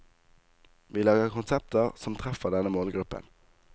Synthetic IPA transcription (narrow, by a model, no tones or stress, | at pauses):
ʋiːlɑːɡəʁkʰʊnsɛp̚t̪ʰəʁsɔmt̪ʰʁɛfəʁd̪ɛnəmoːlɡʁʉpə̰n